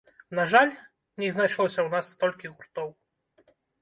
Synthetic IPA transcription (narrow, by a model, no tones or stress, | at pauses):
naʐalʲ | ɲʲɛznat͡ʂlˠɔɕʲɐwnasːt̪ɔlʲkʲiɣurt̪ɔw